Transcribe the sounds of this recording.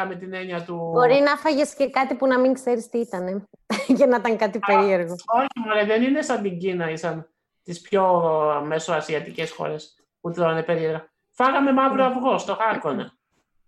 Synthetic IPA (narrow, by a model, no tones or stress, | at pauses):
ɐme̞t̪ine̞ɲɐt̪ubo̞ɾinɐfɐʝesce̞kɐt̪ipunɐmiŋkseɾist̪iit̪ɐne̞ | cenɐit̪ɐŋkɐt̪ipeɾie̞ɾɣoo̞çimoɾeðeninesɐnd̪iɲɟinɐisɐn | t̪ispço̞me̞soɐsiɐt̪ice̞sxo̞̰ɾe̞s | put̪ɾonepe̞ɾiðɾɐ | fɐɣɐme̞mɐvɾoɐvɣo̞st̪o̞xɐkonḛ